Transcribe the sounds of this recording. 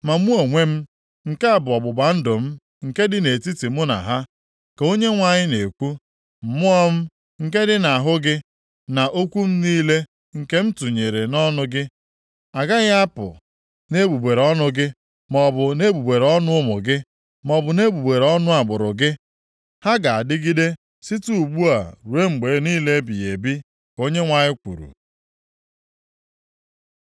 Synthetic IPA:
ma˨mu˦o˨ŋʷe˦m̩˦ | ŋ̩˨ke˦a˨bʊ˨ɔ˨bʊ˨ba˨n̩˦dʊ˨m̩˦ | ŋ̩˨ke˦dɪ˦ne˨ti˦ti˨mʊ˦na̰˨ɦa˦ | ke˨o˦ɲe˦ŋʷa˨ɲɪ˦ne˨kʷu˦ | m̩˨mʊ˦ɔ˦m̩˦ | ŋ̩˨ke˦dɪ˦na˨a˨ɦʊ˦ɡɪ˦ | na˨ʔo˦kʷu˦m̩˦niː˦le˦ | ŋ̩˨ke˦m̩˦tu˨ɲe˨ɾe˨nɔ˦nʊ˦ɡɪ˦ | a˨ɡa˦ɣa˦pʊ̰˨ | ne˦bu˨ɡ͡be˨ɾɔ˦nʊ˦ɡɪ˦ | mɔ˨bʊ˨ne˦ɡ͡bu˨ɡ͡be˨ɾɔ˦nʊ˦ʊ˦mʊ̰˨ɡɪ˦ | mɔ˨bʊ˨ne˦bu˨ɡ͡be˨ɾɔ˦nʊ˦a˨ɡ͡bʊ˨ɾʊ˨ɡɪ˦ | ha˦ɡa˨a˨dɪ˦ɡi˦de˦ | si˦tu˦u˨ɡ͡bu˦a˨ɾu˨ɾe˦ŋ͡m̩˨ɡ͡be˨˦niː˦le˦bi˨e˨bi˦ | ko˦ɲe˦ŋʷa˨ɲɪ˦kʷṵ˨ɾṵ˨

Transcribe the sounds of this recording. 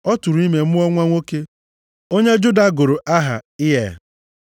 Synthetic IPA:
ɔ˦tu˨ɾu˨i˦me˨m̩˦ɔ˦ŋʷa˦ŋʷo˦ke˦ | o˦ɲe˦d͡ʒʊ˦da˨˦ɡʊ˨ɾo˨ʔa˦ɦa̰˨ɪ˦ɦe˨

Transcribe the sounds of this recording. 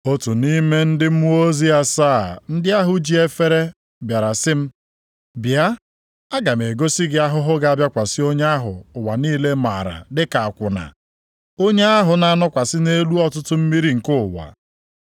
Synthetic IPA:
o˦tu˨ni˦me˦n̩˦dɪ˦m̩˦u˦o˦zi˦a˦saː˦˨n̩˦dɪ˦a˦ɦʊ˨d͡ʒi˨e˦fe˦ɾe˦ | bja˨ɾa˨sɪ˦m̩˦ | bja˦ | a˦ɡa˨m˨e˨ɡo˦si˦ɡɪ˦a˦ɦʊ˦ɦʊ˦ɡa˨a˦bja˦kʷa˨sɪ˦o˦ɲ˦a˦ɦʊ̰˨ʊ˨wa˨niː˦le˦ma̰˨ɾa̰˨dɪ˦ka˨a˨kʷʊ˨na̰˨ | o˦ɲe˦a˦ɦʊ˨na˦nɔ˦kʷa˨sɪ˦ne˦lu˦ɔ˨tʊ˦tʊ˦m̩˦mi˦ɾi˦ŋ̩˨kʊ˦˨wa̰˨

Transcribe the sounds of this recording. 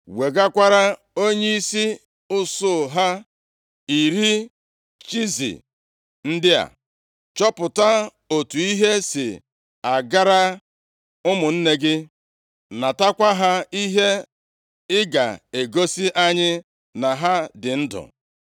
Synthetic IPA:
we˨ɡa˦kʷa˦ɾa˦ | o˦ɲe˦i˦si˦ | ʊ˦sʊ˦˨ɦa˦ | i˨ɾi˦ | t͡ʃi˦zḭ˨ | n̩˦dɪ˦a̰˨ | t͡ʃɔ˦pʊ˨ta˦ | o˨tu˨i˦ɦe˦sɪ̰˨ | a˨ɡa˦ɾa˦ | ʊ˦mʊ˨n̩˦ne˦ɡɪ˦ | na˨ta˦kʷa˦ɦa˦i˦ɦe˦ | ɪ˦ɡa̰˨e˨ɡo˦si˦ʔa˦ɲɪ˦ | na˨ɦa˦dɪ˨n̩˦dʊ̰˨

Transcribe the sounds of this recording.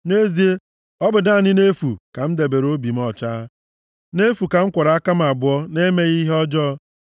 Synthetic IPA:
ne˦zi˨˦e˦ | ɔ˦bʊ˨da˦˨nɪ˦ne˦fu˨ka˨m̩˦de˨be˨ɾo˦bi˨m̩˦ɔ˨t͡ʃa˦ | ne˦fu˨ka˨ŋ̩˦kʷɔ˨ɾa˨a˦ka˦m˨a˨bʊ˨˦ɔ˦ne˦me˦ɣi˦ɦɔ˦d͡ʒɔ˦

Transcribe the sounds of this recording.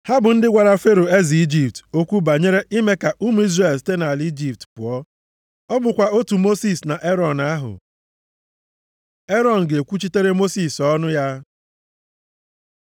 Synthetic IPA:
ha˦bʊ˨n̩˦dɪ˦ɡʷa˨ɾa˨fe˦ɾo˨e˦zi˨i˦d͡ʒi˨p̚to˦kʷu˦ba˨ɲe˦ɾe˦ʔi˦me˦ka˨ʔu˦mu˨˦i˦zre˨lste˦na˨li˦d͡ʒi˨p̚tpʊ˨ɔ˦ | ɔ˦bʊ˨kʷa˨o˦tu˨mo˦si˦˨sna˨ʔe˦ɾɔ˨na˦ɦʊ̰˨ | e˦ɾɔ˨n̩˨ɡe˨kʷu˦t͡ʃi˦te˦ɾe˦mo˦si˨sɔ˦nʊ˦ja˦

